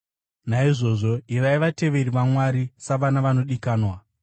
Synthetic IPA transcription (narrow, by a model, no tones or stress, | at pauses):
naiʐo̞ʐo̞iʋaiʋate̞ʋe̞ɾiʋamwaɾisaʋanaʋano̞ɗikaːnwa